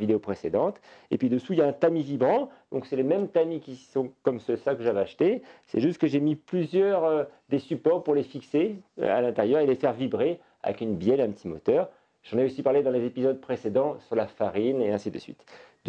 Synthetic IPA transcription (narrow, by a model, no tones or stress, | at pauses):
vid̪eopχesed̪ɑ̃t̪ḛpɥid̪əsuiljaɛ̃t̪amivibʁɑ̃d̪̥ɔ̃ksɛlemɛmt̪amikʲisɔ̃kɔmsəsakəʒaveaʃt̪esɛ̰ʒyst̪̚kəʒemiplyzjœʁød̪esypɔʁpuʁlefiksḛa̰lɛ̃t̪ɛʁjœʁelefɛʁvibʁe | a̰vɛ̰kynbjɛlɛ̃pət̪ʰimɔ̰t̪œːʁ | ʒ̥ɑ̃neosipaʁled̪ɑ̃lezepizɔd̪̚pχesed̪ɑ̃syʁlafaʁineɛ̃sid̪ə̰sɥḭt̪d̪